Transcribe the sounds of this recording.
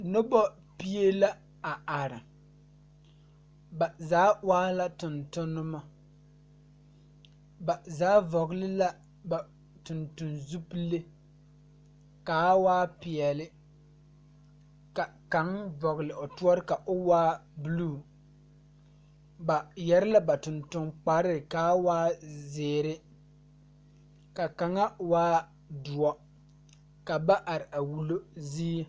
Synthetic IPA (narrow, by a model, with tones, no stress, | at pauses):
nʊ˦bɔ˦ | pi˦e˦la˦ | a˨ʔa˨ɾɪ˨ | ba˨zaː˨˦waː˦la˦tʊ˨ntʊ˦nʊ˦ma˦ | ba˨zaː˦vɔ˨ɣlɪ˦la˦ | ba˨ | tʊ˨ntʊ˨nzu˦ple˦ | ka˨˦waː˦pi˨ɛ˨lɪ˦ | ka˨ka˨˦ŋvɔ˨ɣlɪ˨ʔo˨tu˦ɔ˦ɾɪ˦ka˨ʔʊ˦waː˦bu˦luː˦˨ | ba˨jɛ˦ɾɪ˦la˦ba˨tʊ˨ntʊ˨ŋk͡pa˦ɾɪ˦ɾɪ˨kaː˨˦waː˦zeː˨ɾɪ˦ | ka˨ka˨ŋa˦waː˦ | dʊ˨ɔ˦ | ka˨ba˦ʔa˨ɾɪ˨ʔa˨wu˨lo˦ziː˦